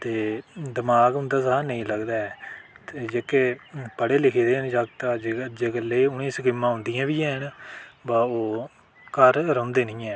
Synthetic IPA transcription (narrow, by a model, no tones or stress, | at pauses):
t̪eːd̪ɪmaːɡɦʊ̃nd̪aːsaːnəĩːləɡd̪aːɛː | t̪eːd͡ʒeːkeːpəɽeːlɪkʰiːd̪eːɦənd͡ʒaɡt̪ad͡ʒd͡ʒeːɡəleːʊnĩːsəkiːmːãːɦʊ̃ːnd̪ijãːʋiːɛ̃ːɦənbaːoː | kəɾɾõːnd̪eːnĩːɛ̃ː